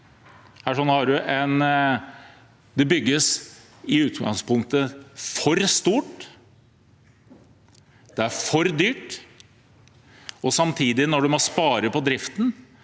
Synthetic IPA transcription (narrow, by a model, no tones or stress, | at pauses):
hæːʂɔnːhɑɖʉʔɛn | d̪ɛbʏɡːəs | ɪʉːt̪ɡɑ̰ŋspʊŋk̚t̪əfɔɾst̪uːʈ | d̪̥ɛæɾfɔɾd̪yːʈ | ɔsɑmt̪ʰiːd̪ɪnɔɖʉmɔspɑːɾəpʰɔd̪ɾɪft̪n̩